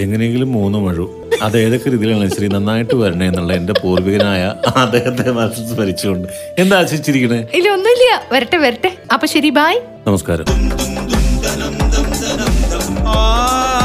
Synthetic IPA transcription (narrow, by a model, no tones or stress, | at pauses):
e̞ŋːɐnejeŋɡilumːuːnːɨmɐɻu | ɐðe̞ːðo̞kːeɾiːðijilaːɐɕɐɾinɐnːaːjiʈːɨʋɐɾuɳɐe̞nːuɭːɐende̞puːrʋiɣɐnaːjɐɐd̪eːɦɐt̪ːe̞mɐɾɐsɐsɨpɐɾit͡ɕːukoɳɖɨ | e̞nd̪aːɕɐɾit͡ɕːiɾikʲːɐɳɨilːɐonːuilːɐjɐʋɐɾiʈːeʋɐɾiʈːeɐpːoɕɐɾibʱaːj | nɐmɐskaːɾɐ̰m